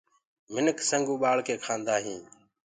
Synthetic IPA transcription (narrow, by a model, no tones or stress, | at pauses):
mɪnəksəŋɡũːɓaːɭkeːkʰãːnd̪aːɦĩː